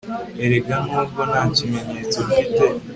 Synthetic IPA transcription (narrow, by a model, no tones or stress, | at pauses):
eɾeɡanuːɡonacimeɲet͡soɾite